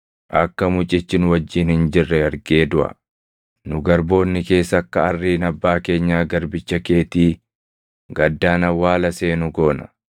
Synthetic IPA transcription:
ʔɐkːɐmʊt͡ʃʼɪt͡ʃːɪnʊwɐd͡ʒːiːnhɪnd͡ʒɪrːɛɐɾɡe̞ːd̪ʊʔɐ̰ | nʊɡɐɾbo̞ːnːɪke̞ːsɐkːɐɐrːiːnɐbːaːke̞ːɲːaːɡɐɾbɪt͡ʃːɐke̞ːt̪iː | ɡɐd̪ːaːnɐwaːlɐse̞ːnʊɡo̞ːnɐ̥̰

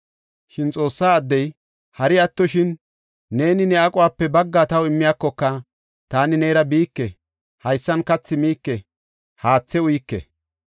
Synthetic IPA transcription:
ʃɪnt͡sʼo̞ːsːaːd̪ːɛj | hɐɾɪɐt̪ːɔʃɪnː | e̞ːnɪnɛakʼʊwaːpːɛbɐɡːat̪ɐwɪmːɪjaːkːɔkːɐ | t̪aːnɪneːɾɐbiːkːɛ | hɐjsːɐnkɐt͡sːɪmiːkːɛ | haːt͡sːɛʊjkːɛ̰

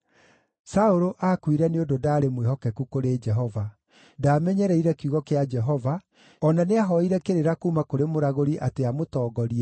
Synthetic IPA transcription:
saoɾoʔakwiɾɛneododaːɾemwehɔkɛkukoɾeːd͡ʒɛɦɔva | daːmɛɲɛɾɛiɾɛkjuɣɔkead͡ʒɛɦɔva | ɔnaneaɦɔiɾɛkeɾeɾakuːmakoɾemoɾaɣoɾiʔateamotɔːɡɔɾiɛ

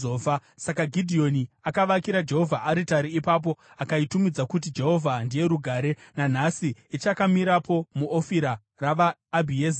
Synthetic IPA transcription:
oːvasakaɡʱidʱio̞niakaʋakiɾad͡ʒe̞ɦo̞vʱaʔaɾitaɾiːpap̬o̞ | akaitumid͡zakut̬id͡ʒe̞ɦo̞vʱandije̞ɾuɡʱaːɾe̞nan̤asiit͡ʃakamiɾapo̞muʔofiɾa | raʋaːbʱiez

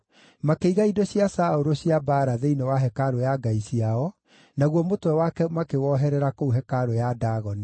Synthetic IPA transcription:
makeiɣaidoɕjasaoɾoɕjabaɾaðeinewaɦɛkaɾojaɡaiɕiaɔ | naɣwɔmotwɛwakɛmakewɔɦɛɾɛɾakouɦɛkaɾojadaːɣɔni

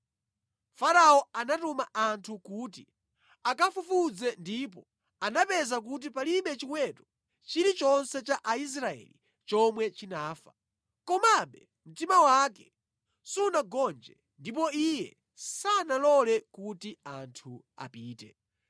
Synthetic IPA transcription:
faɾaɔanatumaʔantʰukuːti | akafufud͡zɛndip̬ɔ | anapɛzak̬ut̬ipaliɓɛt͡ʃikwɛtɔ̥ | t͡ʃiɾit͡ʃɔnsɛt͡ʃaʔais̬ɾaɛ̰li | t͡ʃɔmwɛt͡ʃinaːfḁ | kɔmaɓɛ | m̩timawakɛ | sunaɡɔnd͡ʒɛ | ndipɔijɛ̰ | sanalɔlɛkutiantʰu | a̰piːtɛ̰

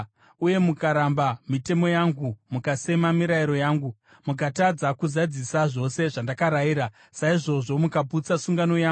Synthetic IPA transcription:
uje̞mukaɾambamite̞mo̞jaŋɡumukase̞mamiɾaiɾo̞jaːŋɡu | muk̬atad͡zakuzad͡zisaʐo̞se̞ʐandakaɾaiɾa | saiʐo̞ʐo̞mukabʱut͡sasuŋɡano̞jaːŋ

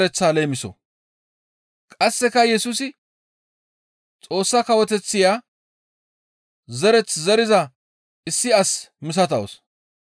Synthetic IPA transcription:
ɾɛt͡sːaːle̞ːmɪsɔ̰ | kʼɐsːɛkɐjɛsusɪ | t͡sʼo̞ːsːɐkɐwɔt̪ɛt͡sːɪjaː | zɛɾɛt͡szɛɾɪzɐ | ɪsːɪɐsmɪs̬ɐt̪ɐo̰s

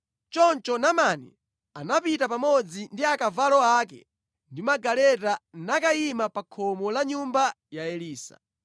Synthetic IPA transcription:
t͡ʃɔnt͡ʃɔnamaːnɛ̰ | anapitapamɔd͡zindiakavalɔaːkɛ̰ | ndimaɡalɛtanakaimapakʰɔmɔlaɲumba | jaɛliːsa̰

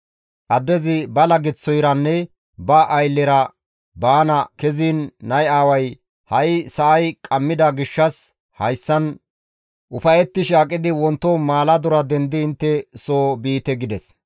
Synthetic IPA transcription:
ʔɐd̪ːɛzɪbɐlɐɡɪt͡sːɔjɾɐnːɛ | bɐʔːjlːɛɾɐ | baːnɐkɛziːnːɐjaːwɐj | hɐjsɐʔɐjkʼɐmːɪd̪ɐɡɪʃːɐs | hɐjsːɐn | ʔʊfɐjɛt̪ːɪʃaːkʼɪd̪ɪwɔnt̪ːomaːlɐd̪ʊɾɐd̪ɛnd̪ɪːnt̪ːɛsoːbiːt̪ɛɡɪd̪ɛs

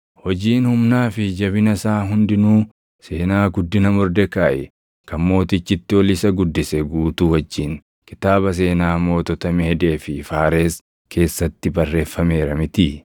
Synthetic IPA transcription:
hɔd͡ʒiːnhʊmnaːfɪd͡ʒɐβɪnɐsaːɦʊnd̪ɪnuː | se̞ːnaːɡʊd̪ːɪnɐmɔɾd̪ɛkaːʔɛ | kɐmmo̞ːt̪ɪt͡ʃːɪt̪ːɪɔlɪsɐɡʊd̪ːɪsɛɡuːt̪uwɐd͡ʒːiːŋ | kɪ̥t̪aːβɐs̬e̞ːnaːmo̞ːt̪ɔt̪ɐmeːɛd̪e̞ːfɪfaːɾe̞ːs | kʰe̞ːsːɐt̪ːɪbɐrːe̞ːfːɐme̞ːɾɐmɪt̪ɪ

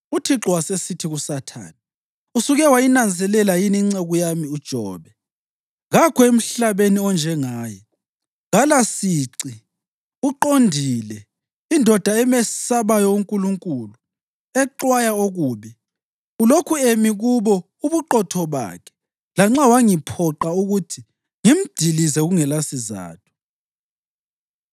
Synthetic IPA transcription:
utʰiǁɔwasesitʰiɣusatʰa̰ːni | usuɣɛwajinand͡zʱɛlɛlajiniŋ͡ǀɛɣujamiud̥ʒ̥ʱɔ̰ːβɛ | ɣakʰɔem̩ɬaβeniɔnd͡ʒʱɛŋaːjɛ | ɣalasiːǀi | uǃondʱilɛ | indʱɔd̥ʱaɛmɛsaβajɔuŋkʼuluŋkʼulu | ɛǃwajaoɣuːβi | ulokʰuemiɣuβɔ | uβuǃɔtʰɔβa̰ːkʰɛ̥ | laŋ͡ǁawaŋipʰɔǃauɣutʰi | ŋim̩d̥ʱilizɛɣuŋɛlasiza̰ːtʰu̥

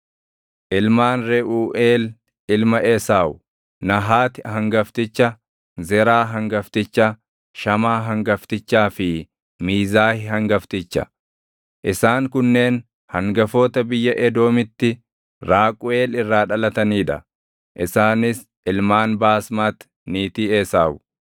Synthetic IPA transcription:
ʔɪlmaːnɾɛʔuːʔeːl | ɪlmɐʔɛsaːwʊ | nɐɦaːt̪ɪhɐŋɡɐft̪ɪt͡ʃːɐ | zɛɾaːɦɐŋɡɐft̪ɪt͡ʃːɐ | ʃɐmaːɦɐŋɡɐft̪ɪt͡ʃːaːfɪ | miːzaːhɪɦɐŋɡɐft̪ɪt͡ʃːɐ̰ | ʔɪsaːŋkʊnːe̞ːn | hɐŋɡɐfoːt̪ɐbɪjːɐʔɛd̪o̞ːmɪt̪ːɪ | ɾaːkʼʊeːlɪrːaːᶑɐlɐt̪ɐniːᶑ̪ɐ̰ | ʔɪsaːnɪs | ɪlmaːnbaːsmaːt̪ | niːt̪iːeːsaːʔʊ

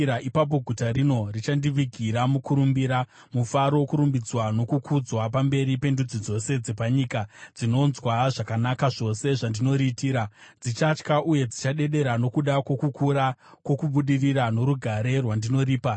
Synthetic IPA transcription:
aʔipap̬o̞ɡʱutaɾino̞rit͡ʃandiʋiɡʱiɾamukuɾumbiɾa | mufaɾowokuɾumbid͡zwano̞kukʰud͡zwapambe̞ɾipe̞ndud͡zid͡zo̞se̞d͡ze̞paɲikad͡zino̞nzwaʐakanakaʐo̞se̞ʐandino̞ɾitiːɾad͡zit͡ʃat͡ʃkaʔuje̞d͡zit͡ʃaɗe̞ɗe̞ɾano̞kuɗakwo̞kukuɾakwo̞kuɓuɗiriɾano̞ɾuɡʱaɾe̞rwandino̞riːpa

